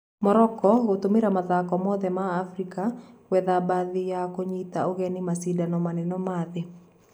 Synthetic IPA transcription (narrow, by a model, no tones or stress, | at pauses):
mɔɾɔkɔɣot̪omiɾamaðakɔmɔðɛmaːfɾikawɛðabaðɪjakoɲit̪aɔɣɛnɪmasidanɔmanɛnɔmaðɪ